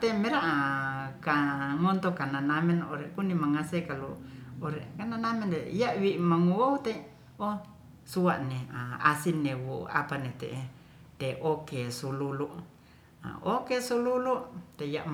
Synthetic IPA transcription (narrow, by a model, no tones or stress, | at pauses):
t̪emeɾaʔakaŋont̪okananamenoɾekunimaŋasekaluoɾekananamenɾejaʔwiʔmaŋuout̪e | o | suaʔneaasinːewoa̰panet̪ḛ | t̪eʔokesululuʔ | a̰okesululuʔt̪ejaʔ